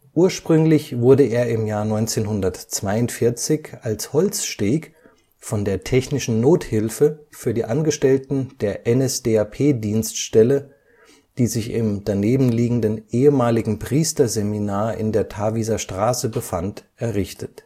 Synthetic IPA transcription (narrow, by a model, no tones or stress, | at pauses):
ʔuːɐʃpʁ̥ʏŋlɪçv̥ʊɐdəʔeːɐɪmjaːɐnɔʏnt͡seːnɦʊndɐtt͡sv̥aɪʊntfɪɐt͡sɪçalshɔlt͡sʃteːk | fɔndeːɐtʰɛçnɪʃn̩noːthɪlfəfyːɐdiːʔanɡəʃtɛltn̩d̥eːɐʔɛnɛsd̥eːapʰeːdiːnstʃtɛlə | d̥iːzɪçɪ̰md̥aneːbm̩liːɡŋ̩dənʔeːəmaːlɪɡŋ̩pʁ̥iːstɐzeminaːɐʔɪ̰ndeːɐtʰavizɐʃtʁ̥aːsəbəfantʔɛɐʁɪçtʰət